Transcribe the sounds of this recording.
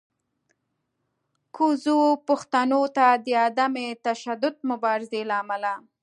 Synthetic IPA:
kʰuzopʊxt̪anot̪ad̪əad̪amet̪aʃad̪ʊd̪̚mʊbɑɾɪzelaːmala

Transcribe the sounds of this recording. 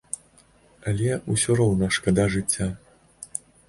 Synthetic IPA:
ɐlʲɛusʲɔɾɔwnɐʂkɐd̪aʐɨt͡sʲːa

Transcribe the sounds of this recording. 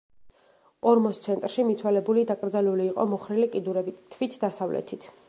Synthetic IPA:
ɔɾmɔst̪sʰɛnt̪ʼɾʃimit̪sʰwalɛbulid̪akʼɾd̪zaluliːqʼɔ̰mɔχɾilikʼid̪uɾɛbit̪ʰːvit̪ʰd̪asavlɛ̰t̪ʰit̪ʰ

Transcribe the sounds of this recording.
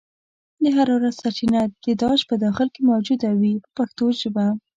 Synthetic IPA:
d̪əɦaɾɑwɾat̪saʈinat̪̚d̪̥əd̪ɑʃpəd̪ɑxɪlkemawd͡ʒud̪awipəpaxt̪oʒəba

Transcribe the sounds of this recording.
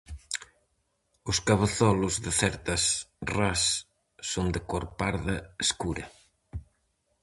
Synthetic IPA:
ʊskaβaθɔlʊzðɪθɛɾt̪ɐsrasː | ond̪ɪkoɾpaɾðɐeskuɾɐ

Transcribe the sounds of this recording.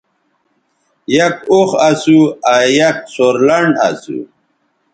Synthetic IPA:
jɐkoχasuajɐk̚soɾlɐɳɖa̰sṵ

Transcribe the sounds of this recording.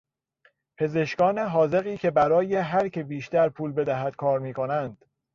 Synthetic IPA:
pʰe̞ze̞ʃkɒːneɦɒːze̞ɣiːcʰe̞bæɾɒːjeɦæɾcʰe̞biːʃt̪æɾpʰuːlbe̞d̪æɦæd̪̥̚kʰɒːɾmiːko̞nænd̪̥

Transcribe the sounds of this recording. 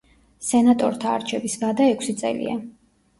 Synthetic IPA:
sɛnat̪ʼɔɾt̪ʰa̰ːɾt͡ʃʰɛbisvad̪aɛkʷʰsit̪sʼɛ̰lḭa̰

